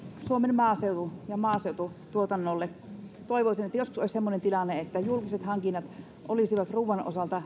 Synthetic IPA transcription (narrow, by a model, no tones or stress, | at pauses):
suomenmɑːseut̪ujɑmɑːseˑut̪ut̪uot̪ɑnːolːet̪oˑiʋoˑisinet̪ːæjosku̥soˑisʲsemːonent̪ilɑnːeet̪ːæjulkiset̪hɑŋkinːɑt̪ | ʔolisiʋɑt̪ruːʋˑɑnʔo̰sɑlt̪ɑ